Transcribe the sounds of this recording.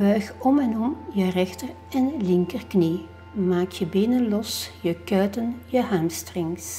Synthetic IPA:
bœɥxɔmɛnɔmjərɛxtər | ɛnlɪŋkərkni | maːkjəbeːnənlɔsjəkœːtənjəɦaːmstrɪŋs

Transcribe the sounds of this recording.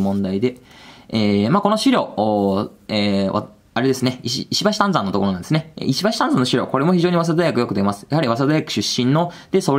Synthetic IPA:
mõ̞nd̪aid̪e̞eːmako̞noɕiɾʲo̞̰ː | eːʔa̰ | aɾe̞d̪e̞sɨne̞iɕːɕibaɕi̥t̪ãnzãnːo̞t̪o̞koɾãnd̪esɨneḛiɕibaɕi̥t̪ãnzãnːoɕiɾʲo̞̰ːko̞ɾe̞mo̞çiʑo̞ːɲ̟iβas̬ad̪ajakɯ̟jokɯ̟d̪emasɨ̥jaɦaɾʲiβas̬ad̪ajakɯ̟̥ɕɨɕːĩnːo̞d̪̥e̞so̞

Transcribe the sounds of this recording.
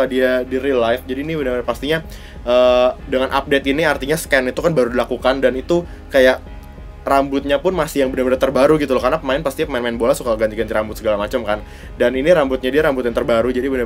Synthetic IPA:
adiadiɾilajfd͡ʒadiːnibənərbənapast̪iɲa | ʔəːdəŋanʔa̰p̚det̪iniart̪iɲaskɛnit̪ukanbaɾudilakukandanit̪u | kajaʔ | rambʊt̪̚ɲapʊnmasɪjaŋbənarbəndat̪ərbaɾuɡit̪ulɔkarnapəmaɪnpast̪iɲapəmaɪnmaɪnbolasukaɡant̪iɡant̪iɾambʊt̪səɡalamat͡ʃəmkan | daniniɾambʊt̪̚ɲadiaɾambʊt̪jaŋt̪ərbaɾud͡ʒadibəna

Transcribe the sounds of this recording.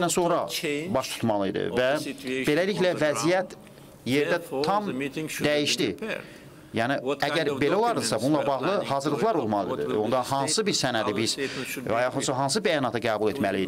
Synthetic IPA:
ænso̞nɾɑ̰bɑʃt̪ʰu̥t̪mɑlˠɯḭd̪ɯ̰væbe̞læliçlævæzijæt̪ | je̞ɾd̪æt̪ʰɑmd̪æjiʃd̪i | jæːniæɟæɾbe̞læo̞lˠɑɾd̪ɯsɑbununlˠɑbɑʁlˠɯhɑːzɯɾlˠɯɣlˠɑɾo̞lˠmɑlˠɯid̪ɯ̰væ̰o̞nd̪ɑhɑnsɯbiɾsænæd̪ibiz̥ɑjɑxɯnsɑɦɑns̬ɯbæjɑnɑt̪ʰɑɡæːbulˠe̞t̪mælid̪

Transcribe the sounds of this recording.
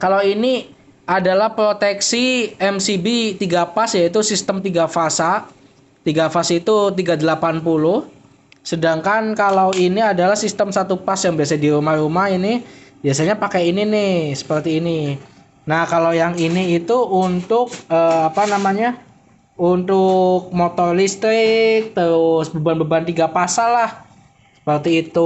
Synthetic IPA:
kalawini | adalahpɾot̪ɛksiɛmsibit̪iɡapasjait̪̬usist̪əmt̪iɡafasa | t̪iɡafasit̪ut̪iɡadəlapanpulʊh | sədaŋkankalawiniadalahsist̪əmsat̪upasjaŋbiasadiɾumahɾumahinibiasaɲapakaininɪhhsə̥pərt̪iːni | nahkalawjaŋiniːt̪uunt̪ʊk̚əːapanamaɲa | unt̪ʊk̚mot̪ɔrlist̪ɾɪk̚t̪əɾʊsbəbanbəbant̪iɡapasalah | sə̥pərt̪iːt̪u

